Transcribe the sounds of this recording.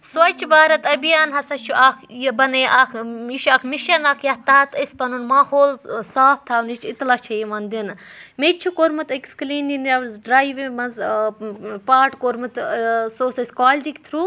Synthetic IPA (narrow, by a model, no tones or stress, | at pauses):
sʋɐt͡ʃʰbaːɾɐt̪ɐbijaːnɦɐsɐt͡ʃʰuʔaːkʰjbɐneʔakmiʃɐkʰmiʃɐnɐkʰjɐht̪aːt̪ɐsʲpɐnunmaːhoːlsaːp̚ʰt̪ʰawnit͡ʃʰit̪lɐt͡ʃʰɐjimɐnd̪inmet͡ʃʰukoɾmɨt̪ekskliːninɐʋzɖɾaːiʋimɐnz | paːʈkoɾmɨt̪soːsɐsʲkaːld͡ʒikt̪ʰɾu